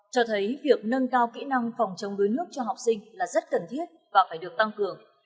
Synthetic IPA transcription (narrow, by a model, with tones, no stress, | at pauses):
t͡ɕɔ˧t̪ʰə˨˦jvi˨˩ək̚nə˧nkaː˧wkḭ˧˥na˧ŋfɔ˨˩wŋ͡mt͡ɕə˨˦wŋ͡mɗu˨˦jnɨ˦˥ək̚t͡ɕɔ˧ɦa˨˩wk͡p̚sï˧ŋ̟laː˨˩zə˦˥t̚kə˨˩nt̪ʰi˦˥ət̚vaː˨˩faː˧˩jɗɨ˨˩ək̚t̪a˧ŋkɨ˨˩əŋ